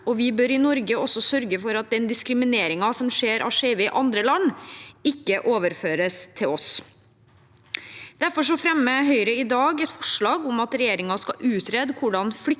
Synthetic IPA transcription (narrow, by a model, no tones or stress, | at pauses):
ɔʋɪbøːɾɪnɔɾɡəɔsɔsœɾɡəfɔɾɑt̪̚d̪ɛnd̪ɪskɾɪmɪneːɾɪŋɑsɔmʂeːɾʔɑ̰ʂeɪʋəɪʔɑnd̪ɾəlɑnːɪkːəʔoːʋəɾføːɾəst̪ʰɪlɔs | d̪̥æɾfɔʂɔfɾɛmːəɦœʏɾəɪd̪ɑːɡɛt̪fɔʂɭɑːɡʊmɑt̪ɾɛjeːɾɪŋɑskɑʔʉːt̪ɾɛd̪kʰʊɖɑnflʏ